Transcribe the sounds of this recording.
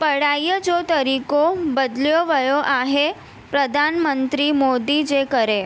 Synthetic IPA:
pəɽajəd͡ʒot̪əɾikobəd̪ljoʋəjoʔaɦe | pɾəd̪ʱanmənt̪ɾimod̪id͡ʒekəɾe

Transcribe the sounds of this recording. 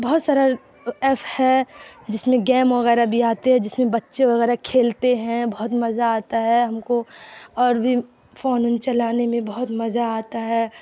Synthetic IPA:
bɐɦʊt̪saːɾa | ɛːpʰhɛd͡ʒɪsmẽɡɛːmʋɐɣɛːɾabʱiaːt̪eɦɛ̃d͡ʒɪsmẽbɐtːʃeʋɐɣɛːɾakʰeːlt̪eɦɛ̃bɐɦʊt̪mɐzaaːt̪aɦɛɦɐmkoɔːɾbʱi | foːnʊnt͡ʃɐlaːnemẽbɐɦʊt̪mɐzaaːt̪aɦɛː

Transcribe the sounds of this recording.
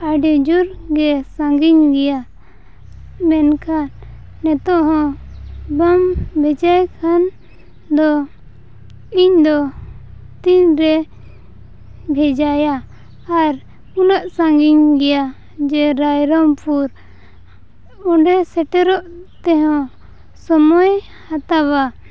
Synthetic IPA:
aɖɛd͡ʒuɾɡɛsãŋɡiɲɡɛja | mɛnkʰanː | ɛt̪ɔʔɦɔ̃bambʱɛd͡ʒajkʰan | d̪ɔ | iɲd̪ɔ | t̪iɲɾɛ | bʱɛd͡ʒajaː | ɾ | unaʔsãŋɡiɲɡɛja | d͡ʒɛɾajɾɔmpʰuɾ | ɔɳɖɛsɛʈɛɾɔʔt̪ɛɦɔ̃ | sɔmɔj | hat̪aβa

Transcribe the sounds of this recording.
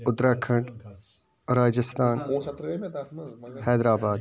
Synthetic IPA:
ʊd̪ɾaːkʰəɳʈ | ɾaːd͡ʒəst̪aːn | hɛːd̪ɾaːbaːd̪

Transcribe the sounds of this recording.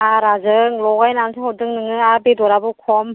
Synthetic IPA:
aɾazɯŋlɔɡajnansʰɯŋhɔdɯŋnɯŋɯabedɔɾabukʰɔm

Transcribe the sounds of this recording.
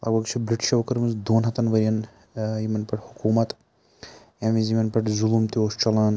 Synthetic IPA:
ɐ̰ɡbɐɡt͡ʃʰibɾiʈʰʃɐʋkɐɾmɐnzd̪oːnɦɐt̪ɐnʋɐɾʲjɐn | jimɐnpɐʈhukuːmɐt̪ | jɐmizimɐnpɐʈzulumt̪ioːst͡ʃɐlaːn

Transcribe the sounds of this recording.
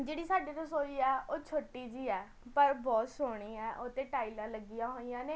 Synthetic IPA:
d͡ʒeːɽiːsaːɖeːt̪ʊsoːiːɛːoːt͡ʃʰoːʈiːd͡ʒiːɛː | pəɾbɔːt̪soːɽ̃iːɛːʔot̪eːʈaːilãːləɡijãːɦoːiːjãːneː

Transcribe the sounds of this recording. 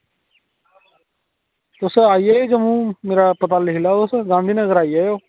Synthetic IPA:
t̪ʊsaːijajoːd͡ʒəmũːmeːɾaːpət̪aːlɪɦɪlaːt̪ʊsɡãːnd̪ʱiːnəɡəɾaːijaːjoː

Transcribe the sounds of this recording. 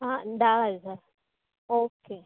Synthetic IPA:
and̪aza | oke

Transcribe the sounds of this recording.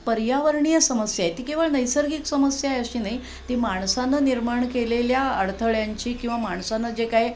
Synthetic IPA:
pəɾjaʋəɾɳijəsəməsjajet̪iːkĩw̃ʋəɭnəjsəɾɡiːksəməsjaeəɕiːnaɦi | t̪iːmaɳ̃sanəniɾmaɳkeleljaəɽt̪ʰəɭjaɲt͡ɕiːkĩw̃ʋamaɳ̃sanəd͡ʑekaji

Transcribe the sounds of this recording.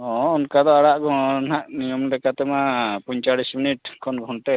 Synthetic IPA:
ɔ̃unkad̪ɔaɽaʔɡʱɔnaʔnijɔmlɛkat̪ɛmapɔɲt͡ʃaɽisminiʈkʰɔnɡʱɔnʈ̪ɛ

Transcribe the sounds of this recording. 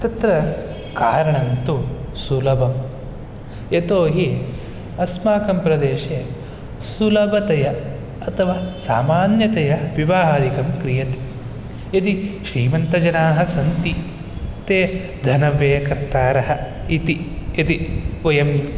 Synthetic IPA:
t̪ɐt̪ɾɐ | kaːɾɐɳɐnt̪usulɐbɐm | et̪oːɦi | ɐsmaːkɐmpɾɐd̪eːʃe | sulɐbɐt̪ɐjɐ | ɐt̪ʰɐʋaːsa̰ːmaːnjɐt̪ɐjɐʋiʋaːɦaːd̪ikɐmkɾijɐt̪e̥ | ɐt̪iʃɾiːmɐnt̪ɐd͡ʒɐnaːɦɐsɐnt̪i | st̪eː | d̪ʱɐnɐʋeːkɐɾt̪aːɾɐɦɐ | it̪iɐt̪iɐjɐm

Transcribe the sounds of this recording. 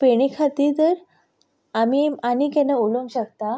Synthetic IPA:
peɽ̃ikʰat̪iːɾt̪əɾ | amianikɛnauləŋɡɕəkt̪a

